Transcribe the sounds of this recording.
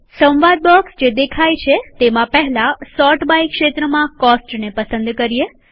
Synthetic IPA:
sə̃wʋad̪̚bɔksd͡ʒed̪ekʰajt͡ʃʰet̪emãpɛɦlãsɔʈbajkʃet̪ɾəmãkɔsʈnepəsənd̪kəɾije

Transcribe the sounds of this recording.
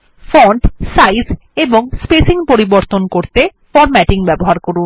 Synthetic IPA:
fɔɳʈsajz | eboŋspesiŋpoɾiboɾt̪onkoɾt̪efɔɾmɛʈiŋbɛboɦaɾkoɾun

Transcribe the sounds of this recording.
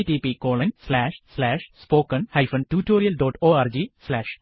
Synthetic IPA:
ʈipikoːɭɐnslaːʂslaːʂspoːkːɐnhɐjfɐnʈuːʈːoːɾijɐlɖoːʈoːaːɾd͡ʑislaːʂ

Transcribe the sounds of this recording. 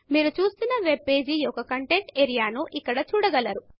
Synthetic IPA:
miːɾut͡ʃuːst̪unːɐʋe̞b̚pe̞ːd͡ʒiɔkɐkɐɳʈe̞ɳʈeːɾijaːnuʔikːɐɽɐt͡ʃuːɽɐɡɐlɐɾu

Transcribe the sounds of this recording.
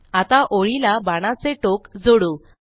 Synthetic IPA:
at̪aʔoɭilabaɽ̃at͡seʈokd͡zoɽu

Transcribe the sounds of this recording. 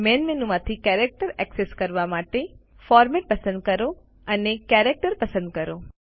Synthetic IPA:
menmenumãt̪ʰikɛɾek̚ʈəɾɛkseskəɾʋamaʈe | fɔɾmeʈ̚pəsə̃nd̪̚kəɾo | ənekɛɾek̚ʈəɾpəsə̃nd̪̚kəɾo

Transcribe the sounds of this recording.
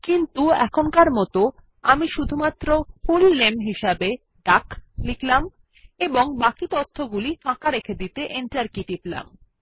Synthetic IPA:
kint̪uɛ̰kʰonkaɾmɔt̪o | amiʃud̪ʱumat̪ːɾofulːemɦiʃabe | ɖakliklam | eboŋbakit̪ot̪ʰːoɡulifãkaɾekʰed̪it̪eʔeɳʈaɾkiʈipla̰m

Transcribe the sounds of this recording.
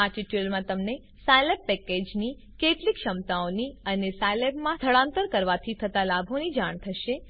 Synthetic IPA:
aʈiʈjəlmãt̪əmne | sajlepːɛked͡ʒni | keʈlikʃəmt̪aoniənesajlepmãt̪ʰəɭãnt̪əɾkəɾʋat̪ʰit̪ʰət̪alabʱonid͡ʒaɳ̃t̪ʰəʃe

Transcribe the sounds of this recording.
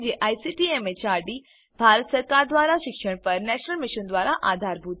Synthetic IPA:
ɡeʔaːjsiʈiemet͡ʃaːɾɖi | bʱaːɾət̪səɾkaːɾd̪ʋaːɾaʃɪkʃəɽ̃pɐɾnɛʃnəlmɪʃənd̪ʋaːɾaʔaːd̪ʱaːɾbʱut̪

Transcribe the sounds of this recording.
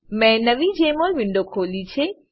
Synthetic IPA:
mɛ̃nəʋid͡ʒemolʋɪɳɖokʰoːlit͡ʃʰe

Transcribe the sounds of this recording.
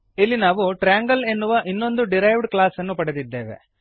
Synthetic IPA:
ilːinaːʋuʈɾaːŋɡɐle̞nːuʋɐʔinːo̞nd̪uɖiɾɐjʋɖklaːsɐnːupɐɽed̪id̪ːe̞ːʋe̞̰

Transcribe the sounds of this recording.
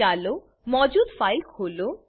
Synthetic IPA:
alo | mɔd͡ʑud̪fajkɦolo

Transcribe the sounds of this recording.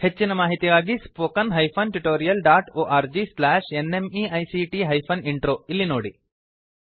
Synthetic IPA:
het͡ʃːinɐmaːɦit̪iɡaːɡispoːkɐnɦɐjpʰɐnʈuʈoːɾijɐlɖaːʈoːʔaːɾd͡ʒislaːʂenemiːɐjsiːʈiːɦɐjpʰɐniɳʈɾoːilːinoːɽi

